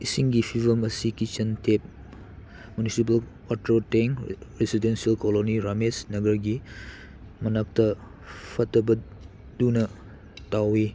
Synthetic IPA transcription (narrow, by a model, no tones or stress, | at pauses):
isiŋɡipʰibɐmɐsikit͡ʃɐntʰep̚ | munisip̬ɐl | atɾoteŋɾesidensiɐlkoloniɾamesnɐɡɐɾɡi | mɐnak̚tɐ | pʰɐtɐbɐ | dunɐ | tawi